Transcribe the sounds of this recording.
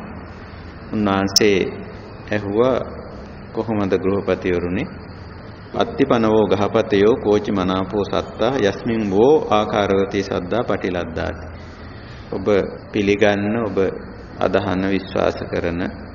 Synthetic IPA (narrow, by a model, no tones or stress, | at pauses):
unːaɦanseː | ɛɦuʋa | koɦomɐd̪əɡɾuɦɐpat̪ijoɾune | a̰t̪ːipanɐʋoːɡaɦɐpat̪ejoːkoːt͡ʃimanaːpoːsa̰t̪ːaːɦjasmiŋboːʔaːkaːɾəʋɐt̪ijsa̰d̪ːaːpaʈilad̪ːa̰ːt̪i̥ | obəpiliɡanːəobə | a̰d̪aɦanːəʋisʋa̰ːsəkəɾənə